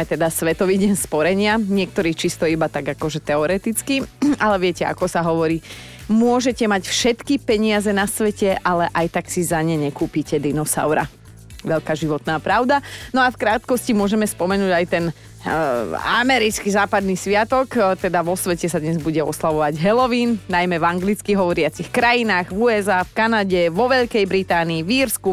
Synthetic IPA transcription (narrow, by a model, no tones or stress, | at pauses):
ɛt̪ɛd̪asʋɛt̪ɔʋiːɟɛnspɔɾɛɲɪaɲɪɛk̚t̪ɔɾiːt͡ʃist̪ɔibat̪aɡakɔʒɛt̪ɛɔɾɛt̪it͡skialɛʋɪɛcɛa̰kɔsaɦɔʋɔɾiː | mʊɔʒɛcɛmacfʃɛt̪kipɛɲɪazɛnasʋɛcɛʔalɛʔajt̪aksizaɲɛɲɛkuːpicɛd̪inɔsa̰ʊɾa̰ | ʋɛʎkaːʒiʋɔt̪naːpɾaʊd̪anɔafkɾaːt̪kɔscimʊɔʒɛmɛspɔmɛnuːɟajt̪ɛn | a̰mɛɾit͡skizaːpad̪nisʋɪat̪ɔkt̪ɛd̪aʋɔsʋɛcɛsad̪ɲɛzbuɟɛɔ̰slaʋɔʋaɟɦɛlɔʋiːnnajmɛvaŋɡlit͡skiɦɔʋɔɾɪat͡sixkɾajinaːɣʋuɛzaːfkanaɟɛʋɔʋɛʎkɛjbɾit̪aːniːʋiɾsku